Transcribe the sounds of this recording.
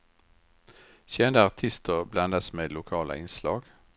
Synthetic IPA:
çɛnd̪əɑʁt̪ʰɪst̪əʁblɑnd̪əsmeːd̪lʊkʰɑːlʔə̰ɪnslɑ̰ːɡ̥

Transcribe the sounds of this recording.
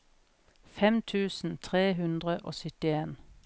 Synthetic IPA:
fɛmt̪ʰʉːsn̩t̪ʰʁeːɦʉnd̪ʁəʔo̰ːsʏt̪ɪeːn

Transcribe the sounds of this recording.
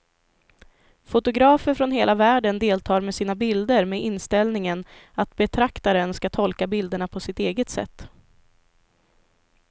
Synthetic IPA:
fʊt̪ʊɡɾɑːfəɾfɾɔnɦeːlavæːɖənd̪eːlt̪ʰɑːɾmɛsiːnabɪld̪əɾmeʔɪnst̪ɛlnɪŋənat̪̚bɛt̪ʰɾakt̪aɾənskat̪ʰɔlkabɪld̪əɳapʰɔsɪt̪eːɡət̪sɛ̰t̪ː

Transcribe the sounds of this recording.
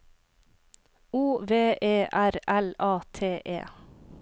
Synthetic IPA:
uːʋeːʔeːʔæɾɛlɑːt̪ʰeːʔḛː

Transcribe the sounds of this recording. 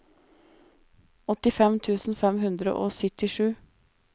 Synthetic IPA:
ɔt̪ɪfɛmt̪ʰʉːsn̩fɛmhʉnd̪ɾə̰ʔo̰ːsʏt̪ɪʂʉː

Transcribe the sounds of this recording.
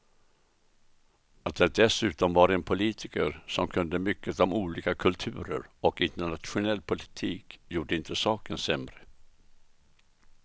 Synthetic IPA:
at̪̚d̪ɛd̪ɛsʉ̟ːt̪ɔmvaɾɛnpʰʊliːt̪ʰɪkəɾsɔmkʰɵnd̪əmʏkːət̪ɔmuːliːkakʰɵlt̪ʰʉ̟ːɾə̰ɾɔkɪnt̪əɳat̪ɧʊnɛlːpʰʊlɪt̪ʰiːkjuːɖəɪnt̪əsɑːkənsɛmɾə

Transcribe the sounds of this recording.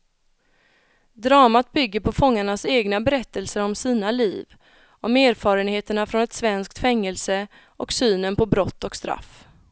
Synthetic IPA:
d̪ɾɑːmat̪̚bʏɡːəɾpʰɔfɔŋːaɳaseːɡnabɛɾɛt̪ːəlsəɾɔmsiːnaliːv | ʔɔmeːɾfɑːɾənheːt̪əɳafɾɔnɛt̪svɛnsk̚t̪fɛŋːəlsə | ʔɔksyːnənpʰɔbɾɔt̪ːɔkst̪ɾa̰f

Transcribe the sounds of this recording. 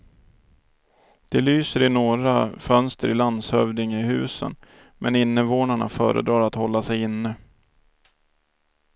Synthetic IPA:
d̪̥ɛlyːsəɾɪnoːɾafœnst̪əɾɪland̪shœvd̪ɪŋɪɦʉ̟̰ːsə̰n | mʔɛnɪnːəvoːnaɳa̰fœ̰ːɾə̰d̪ɾɑːɾat̪hɔlːasɛjɪnːə

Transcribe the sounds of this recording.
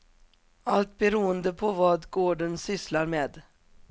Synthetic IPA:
alt̪̚bɛɾuːənd̪əpʰɔvɑːd̪ɡoːɖənsʏslaɾmeːd̪

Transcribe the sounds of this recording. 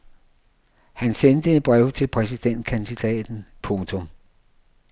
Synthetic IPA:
hænsend̥əenb̥ʁɛʊ̰t͡sʰe̝lpʰʁɛs̬id̥en̰d̥̚kʰænd̥id̥ɛ̰ːd̥n̩pʰɔ̽ŋt͡sʰɔm

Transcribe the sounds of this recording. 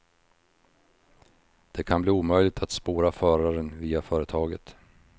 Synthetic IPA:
d̪̥ɛkʰanbliːuːmœjlɪɡ̚t̪ʰat̪spoːɾafœːɾaɾənviːafœːɾət̪ʰɑːɡə̰t̪

